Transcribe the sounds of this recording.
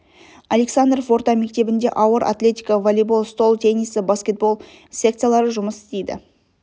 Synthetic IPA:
alʲe̞ksand̪rofo̞ɾt̪ɑme̞k̚t̪e̞bɪnd̪e̞ʔɑwəɾʔa̰t̪lʲe̞t̪ʲijkəvolʲibo̞lˠst̪o̞lˠt̪ʰe̞nisəbaskʲe̞t̪̚bo̞lˠ | sʲe̞k̚t̪sɨjalˠɑɾəʒʊməsɪ̥st̪ejd̪ɪ̰

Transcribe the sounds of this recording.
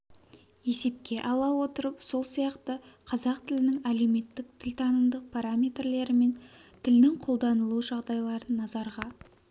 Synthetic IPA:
je̞se̞p̚kʲe̞ʔɑlˠɑwo̞t̪əɾəpso̞lˠsijɑqt̪əqʰɑzɑqt̪ʰɪlɪnɪŋæle̞wme̞t̪ːɪk̚t̪ʰɪlʲt̪ʰɑnəmd̪əq̚pʰaɾamʲe̞t̪rle̞ɾɪme̞nt̪ʰɪlnɪŋqʰo̞lˠd̪ɑnəlˠuʒɑʁd̪ɑjlˠɑɾənːɑzɑɾʁɑ

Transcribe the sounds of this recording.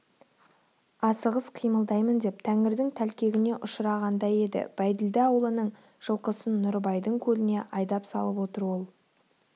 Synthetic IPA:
ɑsəʁəsqʰijməlˠd̪ɑjmənd̪e̞p̚t̪ʰæŋɪɾd̪ɪŋt̪ʰælkʲe̞ɡʲɪne̞ʔʊʃəɾɑʁɑnd̪ɑje̞d̪ɪ̰b̥æjd̪ɪld̪ɪɑwlˠənəɴ | ʒ̥əlˠqəsənːʊɾbɑjd̪əɴkʲʰɵlɪne̞ʔɑjd̪ɑpsɑ̰lˠəpwo̞t̪əɾwo̞lˠ

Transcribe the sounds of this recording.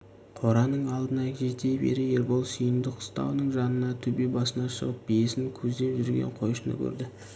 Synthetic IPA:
qʰo̞ɾɑnəɴɑlˠd̪ənɑkʲʰet̪e̞bḛɾɪeɾbolˠsijənd̪ɪqʰʊ̥st̪ɑ̰wnəɴʒɑnənɑt̪ʰɵbebɑsənɑʃə̰ʁəp̚bijesɪŋkʲʰɵzd̪e̞pʒʏɾɡʲe̞̰ɴqʰo̞jʃənə̰kʲʰɵ̰ɾd̪ɪ

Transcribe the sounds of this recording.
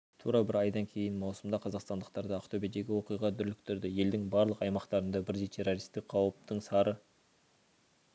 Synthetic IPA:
t̪ʰṵɾɑbɪɾɑjd̪ɑŋkʲʰe̞jɪnmɑwsəmd̪ɑqʰɑzɑqst̪ɑnd̪əqt̪ɑɾd̪ɑːqt̪ʰobed̪e̞ɡʲɪwo̞qijʁɑd̪ʏɾlɪkt̪ʰʏɾd̪ɪje̞ld̪ɪŋbɑɾlˠəqɑjmɑqt̪ɑɾənd̪ɑbɪɾd̪et̪ʰe̞ɾoɾijst̪ɪk̚qʰɑwəp̚t̪əɴsɑɾə

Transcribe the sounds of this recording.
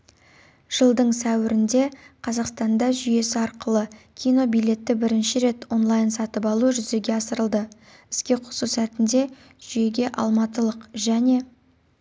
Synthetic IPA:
ʒ̥əlˠd̪əɴsæwɪɾɪnd̪e̞qʰɑzɑqst̪ɑnd̪ɑʒʏje̞sɪɑɾqəlˠəkʲʰijno̞bijle̞t̪ːɪbɪɾɪnʃɪɾe̞t̪wo̞nlˠɑjnsɑt̪əpɑlˠuʒʏze̞ɡʲe̞ɑsəɾəlˠd̪ə | ɪskʲe̞qʰʊ̥susæt̪ɪnd̪e̞ | ʒ̥ʏje̞ɡʲe̞ʔɑ̰lˠmɑt̪əlˠəqʒæne̞

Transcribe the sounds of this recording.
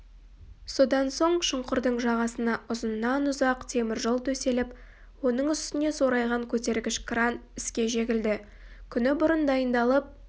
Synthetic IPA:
so̞d̪ɑnso̞ɴʃəɴqʊɾd̪əɴʒɑʁɑsənɑʔʊzənːɑnʊzɑqt̪ʰe̞mɪɾʒəlˠt̪ʰɵse̞lɪp | wo̞nəɴʏst̪ɪne̞so̞ɾɑjʁɑŋkʲʰɵt̪e̞ɾɡʲɪʃkranɪskʲe̞ʒe̞ɡʲɪld̪ɪ | kʲʰʏnɪbʊɾənd̪ɑjənd̪ɑlˠəp̚

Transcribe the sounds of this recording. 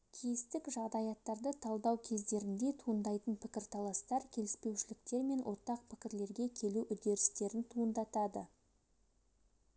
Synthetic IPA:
kʲʰest̪ɪkʒɑʁd̪ɑjɑt̪ːɑɾd̪ət̪ʰɑlˠd̪ɑwkʲʰe̞zd̪e̞ɾɪnd̪e̞t̪ʰuənd̪ɑjt̪ənpʰɪkʲɪɾt̪ʰɑlˠɑst̪ɑɾkʲʰe̞lɪspe̞wʃɪlɪkt̪e̞ɾme̞nwʔo̞ɾt̪ɑq̚pʰɪ̥kʲɪɾle̞ɾɡʲe̞kʲʰe̞luʔʏd̪e̞ɾɪst̪e̞ɾɪnt̪ʰuənd̪ɑt̪ɑd̪ə

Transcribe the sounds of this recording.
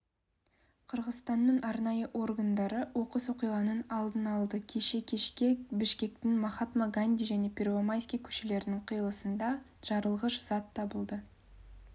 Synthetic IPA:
qʰəɾʁəzst̪ɑnːəɴɑɾnɑjəʔo̞rɡand̪ɑɾəwo̞qəswoqijʁɑnənɑlˠd̪ənɑlˠd̪əkʲʰeʃe̞kʲʰeebɪʃkʲe̞k̚t̪ɪŋmɑχɑt̪maɡanʲd̪ʲijʒæne̞pʰʲervomajsʲkʲijkʲʰɵ̥ʃele̞ɾɪnɪŋqʰəjəlˠəsənd̪ɑ | ʒ̥ɑɾəlˠʁəʒʊz̥ɑt̪ʰːɑbəlˠd̪ə

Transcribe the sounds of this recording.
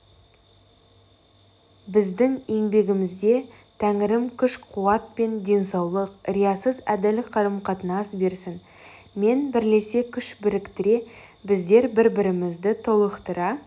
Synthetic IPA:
bɪzd̪ɪŋe̞ŋbe̞ɡʲɪmɪzd̪e̞ | t̪ʰæŋɪɾɪmkʲʰʏʃqʰuɑt̪̚pe̞nd̪e̞nsɑwlˠəqɾijɑsəzæd̪ælɪqʰɑɾəmqʰɑt̪ənɑsbe̞ɾsɪn | me̞nbɪɾle̞sekʲʰʏʃbɪɾɪkt̪ɪɾe̞bɪzd̪e̞ɾbɪɾbɪɾɪmɪzd̪ɪt̪ʰolˠəqt̪əɾɑ

